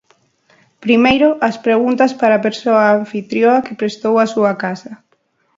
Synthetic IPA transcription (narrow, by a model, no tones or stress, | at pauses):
pɾimejɾʊʔɐspɾeɣunt̪ɐspaɾapeɾsoaːɱfit̪ɾjoakepɾest̪owasuɐkasɐ